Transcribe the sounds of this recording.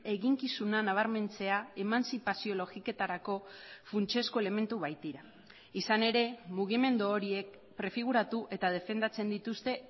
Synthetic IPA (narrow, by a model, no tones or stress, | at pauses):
e̞ɣiŋkisunanaβ̞aɾme̞nt͡se̞ae̞mansipasio̞lo̞ɣike̞t̪aɾako̞funt͡ʃe̞sko̞ele̞me̞nt̪uβajt̪iɾa | isane̞ɾe̞muɣ̞ime̞nd̪uoɾie̞k̚ | pɾe̞fiɣuɾat̪uʔe̞t̪að̞e̞fe̞nd̪at͡se̞nd̪it̪ust̪e̞